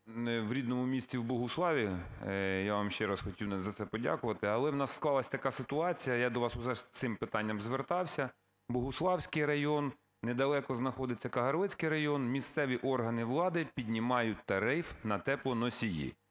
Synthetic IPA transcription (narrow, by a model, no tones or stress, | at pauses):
ʋɾʲid̪nɔmʊmʲisʲt͡sʲiwbʊɦʊslˠɑʋʲi | jaʋamʃt͡ʃɛɾɐsxɔtʲiwnɐzɐt̪sɛpɔdʲa̰kʊʋɐt̪ɪɐlˠɛwnɑsːklˠɑlˠɐsʲt̪ɐkɑsɪt̪ʊɑt͡sʲijɐjad̪ɔʋɑsʊʒɛst̪sɪmpɪt̪ɑnʲːɐmzʋert̪ɑwsʲɐ | bɔɦʊslˠɑwsʲkɪjɾɐjɔnː | ɛd̪ɐlˠɛkɔznɐxɔd̪ɪt͡sʲːɐkɐɦɐɾlˠɪt͡sʲkɪjɾɐjɔnmʲist̪sɛʋʲiʔɔrɦɐnɪʋlˠɑd̪ɪpʲidʲnʲimɑjʊt̚ʲt̪ɐɾɪfnɐt̪ɛplˠɔnɔsʲijḭ